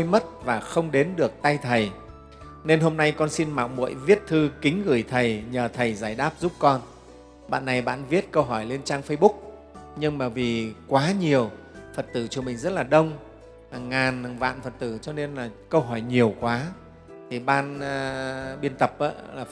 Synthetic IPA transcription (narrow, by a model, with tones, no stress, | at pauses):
jmə˦˥t̚vaː˨˩xə˧wŋ͡mɗe˨˦nɗɨ˨˩ək̚t̪a˧jt̪ʰə˨˩j | ne˧nɦo˧mna˧jkɔ˧nsi˧nma̰˧˨wmṵ˧˨əjvi˦˥ət̚t̪ʰɨ˧kï˨˦ŋ̟ɣɨ˧˩jt̪ʰə˨˩jɲəː˨˩t̪ʰə˨˩jzaː˧˩jɗaː˦˥p̚zu˦˥p̚kɔ˧n | ɓa̰ː˧˨nːa˨˩jɓa̰ː˧˨nvi˦˥ət̚kə˧wɦɔ˧˩jle˧nt͡ɕaː˧ŋfə˧jɓʊ˦˥k̚ | ɲɨ˧ŋɓaː˨˩vi˨˩kwaː˨˦ɲi˨˩əw | fə˨˩t̚t̪ɨ˧˩t͡ɕɔ˧mï˨˩ŋ̟zə˦˥t̚laː˨˩ɗə˧wŋ͡m | ha˨˩ŋːaː˨˩n˨˩ŋva̰ː˧˨nfə˨˩t̚t̪ɨ˧˩t͡ɕɔ˧ne˧nlaː˨˩kə˧wɦɔ˧˩jɲi˨˩əwkwaː˨˦ | t̪ʰi˨˩ɓaː˧nː˧ | ɓi˧ənt̪ə˨˩p̚ʔa̰ː˨˦laː˨˩